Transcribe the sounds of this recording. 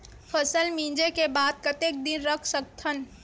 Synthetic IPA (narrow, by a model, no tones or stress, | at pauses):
pʰəsəlmĩːd͡ʒekebaːd̪̚kət̪ek̚d̪ɪnɾəkʰsək̚t̪ʰən